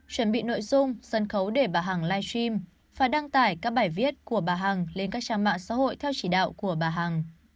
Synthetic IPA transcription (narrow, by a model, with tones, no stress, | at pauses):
t͡ɕwə˧˩nɓḭ˧˨no̰˧˨jzʊ˧ŋ͡msə˧˩nxə˨˦wɗe˧˩ɓaː˨˩ɦaː˨˩ŋlaː˧jswi˧m | faː˨˩jɗa˧ŋt̪aː˧˩jkaː˦˥k̚ɓaː˧˩jvi˦˥ət̚ku˧˩əɓaː˨˩ɦaː˨˩ŋle˧nkaː˦˥k̚t͡ɕaː˧ŋma̰ː˧˨ŋsa̰ː˧˥ho̰˧˨jt̪ʰɛ˧wt͡ɕi˧˩ɗa̰ː˧˨wku˧˩əɓaː˨˩ɦaː˨˩ŋ